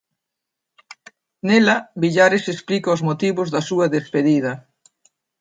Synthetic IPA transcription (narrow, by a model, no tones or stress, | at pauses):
nelɐβiʎaɾesesplikɐʊzmot̪iβʊzðɐsuɐðespeðið̞ɐ